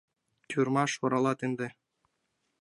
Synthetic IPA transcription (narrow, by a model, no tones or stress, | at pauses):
t̪ʲʰuɾmɑʃoɾɑlˠɑt̪ɘ̆nd̪ɘ̆